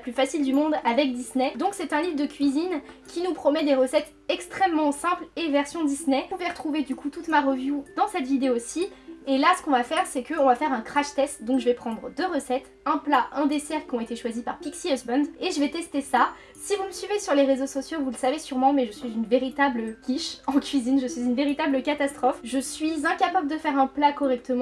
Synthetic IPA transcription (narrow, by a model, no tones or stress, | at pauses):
plyfasild̪ymɔ̃d̪avɛk̚d̪isnɛd̪ɔ̃ksɛt̪ɛ̃livʁd̪əkʲɥizinkʲinupχɔmɛd̪eʁəsɛt̪ | ɛkst̪χɛmːɑ̃sɛ̃plevɛʁsjɔ̃d̪isnɛuvɛʁət̪χuved̪ykut̪ut̪maʁəvjud̪̥ɑ̃sɛt̪vid̪eosielasə̥kɔ̃vafɛʁsɛkəɔ̃vafɛʁɛ̃kχaʃt̪ɛst̪d̪ɔ̃kʒəvɛpχɑ̃d̪ʁəd̪øʁəsɛt̪ | ɛ̃plaʔɛ̃d̪esɛʁkʲiɔ̃et̪eʃwazipaʁpiksiɛsbɔnd̪eʒəvɛt̪ɛst̪esa | sivuməsɥivesyʁleʁezosɔsjovuləsavesyʁmɑ̃mɛʒəsɥizynveʁit̪abləkʲiʃɑ̃kʲɥizinʒəsɥizynveʁit̪abləkat̪ast̪χɔfʒəsɥizɛ̃kapabləd̪əfɛʁɛ̃plakɔʁɛk̚t̪əmɑ̃